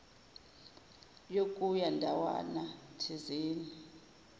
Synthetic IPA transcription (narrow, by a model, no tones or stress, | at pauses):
jokʼujandʱawa̰natʰiziːnii